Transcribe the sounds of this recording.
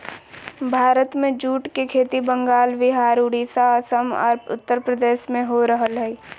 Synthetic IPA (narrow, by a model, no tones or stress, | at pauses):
bʱaːɾət̪mẽd͡ʒuːʈkekʰeːt̪ibə̃ŋɡaːlʋɪɦaːɾʊɽiːsaəsəmɔ̰ːɾʊ̰t̪ːəɾpɾəd̪eːʃmẽɦoɾəɦəlɦɛi